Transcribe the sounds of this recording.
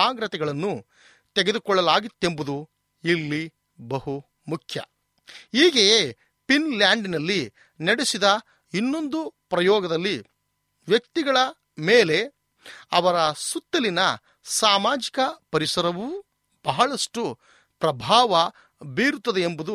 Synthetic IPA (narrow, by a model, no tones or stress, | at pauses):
aːɡɾɐt̪ɛɡɐɭɐnːu | t̪eɡe̞d̪ukɔɭːɐlaːɡit̪ːe̞mbud̪u | ilːi | bɐhu | mukʰjɐ̰ | iːɡeje | pinljaːɳɖinɐlːi | nɐɽesid̪ɐ | inːo̞nd̪upɾɐjɔːɡɐd̪ɐlːi | ʋjɐkt̪iɡɐɭɐ | meːle̞ | ɐʋɐɾɐsut̪ːɐlinɐ | saːmaːd͡ʒikɐpɐɾisɐɾɐʋu | b̥ɐɦɐɭɐʂʈu | pɾɐbʱaːʋɐ | biːɾut̪ːɐd̪eːmbud̪u